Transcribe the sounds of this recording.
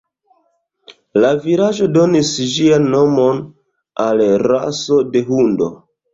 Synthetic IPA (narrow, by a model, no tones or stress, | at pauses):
laviɾaʒo̞do̞nisʒianːo̞mo̞n | alɾa̰so̞de̞ɦundo̞̰